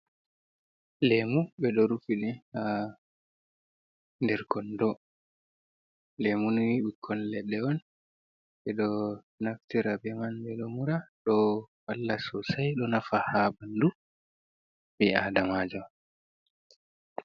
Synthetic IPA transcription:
lemubɛɗɔɾufiɗɛha | ndɛɾkɔndɔ | lemunwiɓikʰɔnlɛɗːɛɔn | ɓɛɗɔ | naftiɾabɛmanbɛɗɔmuɾaɗɔwalːasɔsajɗɔnafahabandu | biadamad͡ʒɔ

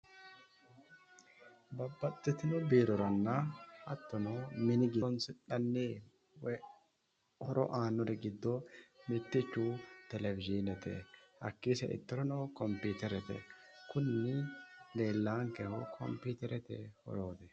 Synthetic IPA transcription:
bɐbːɐt̪ːɛt̪ɪnɔbiːɾɔɾɐnːɐhɐt̪ːɔnɔmɪnɪɡɪnsɪᶑɐnːe | wɛ | hɔɾʔɔ̰ʔaːnːɔɾɛɡɪd̪ːɔmɪt̪ːɪt͡ʃːut̪ɛlɛvɪd͡ʒinɛt̪ɛ̰hɐkːisɛ̰ʔɪ̰t̪ːɔɾɔnoːkɔmpiːt̪ɛɾɛt̪ɛ̰kʊnːɪleːlːaːŋkɛhɔkʰɔ̰mpiːt̪ɛɾɛt̪ɛhɔ̰ɾoːd̪ɛ

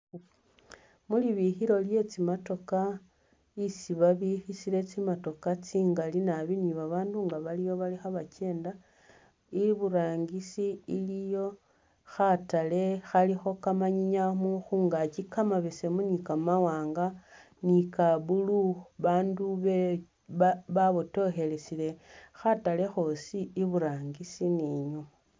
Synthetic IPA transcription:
muliβixiɾo̞lje̞t͡simato̞ka | isiβaβixisile̞t͡simato̞kat͡siːŋɡalinaβiniβaβaːnduŋɡaβalijo̞βalixaβace̞ːnda | iiβuɾaːŋɡisiilijo̞ | xatale̞xalixo̞kamaɲiɲamuxuːŋɡacikamaβesemunikamawaːŋɡa | nikaβuluβaːnduβe | βaβoto̞xe̞lesile̞xatale̞xo̞ːsiːβuɾaːŋɡisiniɲu

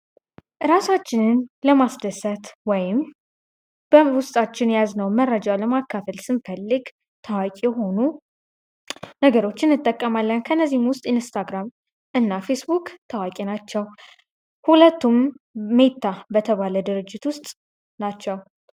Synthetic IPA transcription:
ɾasat͡ʃːɪnɨnləmasd̪əsət̪wɔjɪm | b̥əwʊst̪ʼat͡ʃːɪnjaznəwməɾːəd͡ʒawləmakːafəlsɨnfəlːɨɡ | t̪ʰawakʼjɛɦo̞nu | nəɡəɾo̞t͡ʃːɪnɨt̪ʼːəkʼːəmalːənkʰəɨnːəzːihmwʊst̪ʼɨnst̪ʰaɡɾam | ʔɨnːafe̞sbukʼt̪ʰawakʼenat͡ʃːɛw | hulət̪ːumːe̞t̪ʰːabət̪ʰəβaləd̪ɨɾɨd͡ʒːɪt̪wʊst̪ʼ | nat͡ʃːɛw

